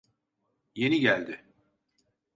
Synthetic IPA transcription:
je̞niɟælʲd̪ɪ

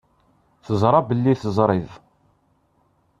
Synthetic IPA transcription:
θəzˤɾˤɑbəlːiθəzˤɾˤɪð

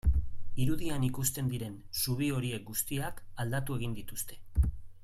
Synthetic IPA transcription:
iɾuðianikust̪e̞nd̪iɾe̞n | suβ̞io̞ɾie̞k̚ɡust̪iakald̪at̪ue̞ɣ̞ind̪it̪ust̪e̞

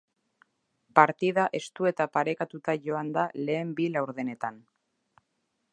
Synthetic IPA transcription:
paɾt̪iðaʔe̞st̪ue̞t̪apaɾe̞kat̪ut̪aʝo̞and̪ale̞ːmbilawɾðene̞t̪an

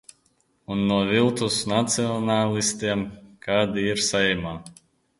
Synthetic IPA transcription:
unːuɔvilˠt̪usnat̪siɔnaːlʲˠist̪iɛmkaːd̪iiɾsaɛmaː

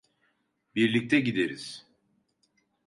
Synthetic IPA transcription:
biɾlʲic̚t̪ʰɛɟid̪eɾiz̥

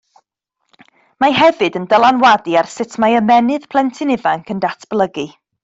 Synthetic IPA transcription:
maɦɛvɨdəndəlˠanwadiarsɪtʰmaəmɛnɨð̥pʰl̥ˠɛntʰɨnɪvaŋkʰəndatʰb̥lˠəɡi

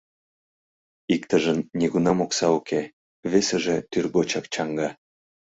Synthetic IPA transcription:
ikt̪əʒənnʲiɣunɑmoksɑukʰe | βeseʒĕt̪yrɣot͡ɕɑkt͡ɕɑŋɡɑ

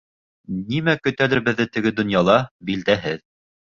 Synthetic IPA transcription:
nimækɵ̆t̪ælɘ̆ɾbɘ̆ðːɘt̪ɘ̆ɡɘd̪ŏnjɑlˠɑbild̪æɦɘð

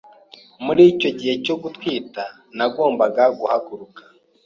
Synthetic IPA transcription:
muɾiːco̞ɟihe̞co̞ɡutwiːta | naɡo̞ːmbaɡaɡuhaɡuɾukḁ

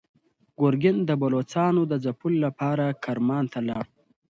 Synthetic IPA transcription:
ɡ̥oɾɡɪnd̪əbalot͡sɑːnod̪əzapulːapɑɾakʰaɾmɑːnt̪ʰalɑɽ

